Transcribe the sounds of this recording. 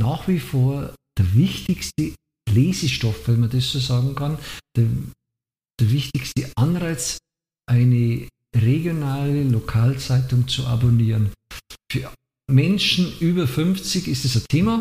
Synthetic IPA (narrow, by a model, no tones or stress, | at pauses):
naːχv̥ifoːɐd̥eɐvɪçtɪçstə | leːzəʃtɔfv̥ɛnmɐdesz̥oːzaːɡŋ̩kʰand̥e | d̥eːɐvɪçtɪçstəʔanʁaɪt͡s | ʔaɪnə | ʁeɡjonaːləlokʰaːlt͡saɪtʊŋt͡suʔa̰boniːʁənfyːɐ | mɛnʃn̩ʔyːbɐfʏnft͡sɪçɪstɛsatʰeːma